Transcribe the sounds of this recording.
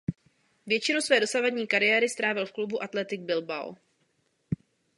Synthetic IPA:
vjɛt͡ʃɪnowsvɛːdo̞savadɲiːkaɾɪjɛːɾɪst̪ɾaːvɪlfklubuʔat̪lɛt̪ɪɡ̚bɪlba̰w

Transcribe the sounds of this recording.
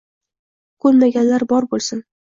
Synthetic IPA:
kʰɵlmaɡʲanlaɾbɒɾbolˠsɪn

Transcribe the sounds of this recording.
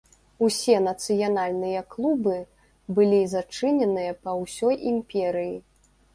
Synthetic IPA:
usʲɛnɐt̪sɨjanalʲnɨjɐklˠubɨ | bɨlʲizat͡ʂɨnʲɛnɨjɐpɐwsʲɔjʔimpʲɛɾɨji

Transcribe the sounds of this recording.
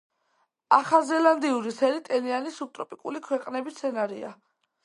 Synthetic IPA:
aχazɛland̪iuɾisɛɾit̪ʼɛlianisut̪ʼɾɔpʼikʼṵlikʰwɛqʼnɛbit̪sʰɛnaɾia

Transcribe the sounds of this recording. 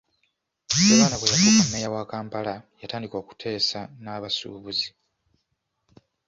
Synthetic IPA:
eβaːnakojakokumejawaːkaːmpalajataːndiko̞ːku̥tʰe̞ːsanaβasṵːβuzi

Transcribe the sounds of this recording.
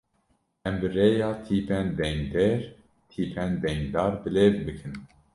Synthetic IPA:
ɛmbɨreːjɑːt̪ʰiːpʰɛnd̪ɛŋɡd̪ɛɾ | t̪ʰiːpʰɛnd̪ɛŋɡd̪ɑːɾbɨlevbɨkʰɨn

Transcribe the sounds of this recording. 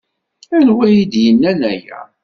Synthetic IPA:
ænwæjid̪jənːænæjæ̰

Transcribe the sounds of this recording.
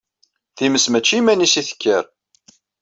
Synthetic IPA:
θiməsmæt͡ʃːimænisiθə̥kːəɾ

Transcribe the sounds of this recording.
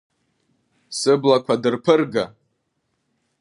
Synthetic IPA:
sɨblakʷʰadɨrpʰɨrɡa

